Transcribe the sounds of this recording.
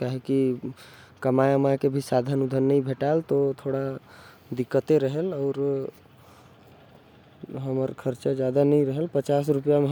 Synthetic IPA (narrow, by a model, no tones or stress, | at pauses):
kaɦeki | kəmajmakebʱisad̪ʱənud̪ʱənːəĩbʱeʈalt̪ot̪ʰoɽad̪ikːət̪eɾəɦəlɔʊɾ | ɦəməɾkʰəɾt͡ʃad͡ʒjad̪anəĩɾəɦəlpət͡ʃasɾupijame